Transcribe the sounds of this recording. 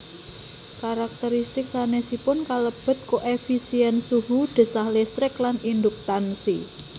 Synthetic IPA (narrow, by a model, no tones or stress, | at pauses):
kaɾak̚t̪əɾist̪ɪksanesipʊnkaləb̥ə̤t̪̚koʔefisiɛnsuɦud̪̥ə̤sahlɪst̪ɾɪklanind̪uk̚t̪ansi